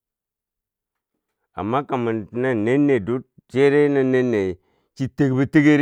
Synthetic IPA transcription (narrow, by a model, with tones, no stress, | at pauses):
a̰˨mːa˦ka˨mə˨nti˨na˦ne˦nːe˨du˦t̚ | d͡ʒe˦ɾe˦na˦ne˦nːe˨ | t͡ʃi˦te˨kbi˦ti˦ɡe˦ɾ